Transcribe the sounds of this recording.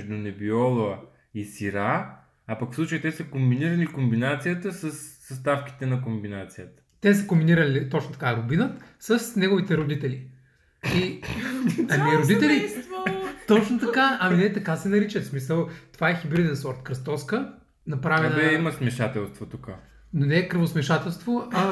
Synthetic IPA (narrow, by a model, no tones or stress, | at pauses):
ʒd̪ʊnɛbiɔlˠoə | isiɾaː | pɐkfsˠut͡ʃəit̪ɛsəkombiniɾɐlikombinat̪sijət̪əsəsːɐst̪afki̥t̪ɛnɐkombinat̪sijət̪ə̥t̪ɛsə̥kombiniɾɐlit̪ɔt͡ʃnot̪ɐkaɾʊbinət̪sɐsnɛɡovit̪ɛɾod̪it̪ɛli | i | ɐmiɾod̪it̪ɛli | t̪ɔt͡ʃnot̪ɐkaɐminɛt̪ɐkasɛnɐɾit͡ʃəfsmisəlˠt̪ovaɛxibɾid̪ɛnsɔɾt̪kɾɐst̪ɔskə | nɐpɾavɛnɛimɐsmɛʃat̪ɛlˠst̪vot̪uka | nonɛkɾəvosmɛʃat̪ɛlˠst̪voʔɐ